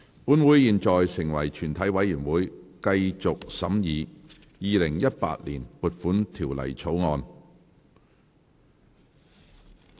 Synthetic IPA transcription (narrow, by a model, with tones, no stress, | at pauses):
puː˨˥nwuː˨˥jiː˨nt͡ʃɔː˨jsɪ˨˩ŋwɐ˨˩jt͡ʃʰyː˨˩nt̪ʰɐ˨˥jwɐ˨˥jyː˨˩nwuː˨˥jkɐ˧jt͡sʊ˨k̚sɐ˨˥mjiː˨˧ | jiː˨˧lɪ˨˩ŋjɐ˥t̚pa̰ː˧t̚liː˨˩npuː˨t̚fuː˨˥nt̪ʰiː˨˩wlɐ̰˨˩jt͡sʰo˨˥wŋɔː˧n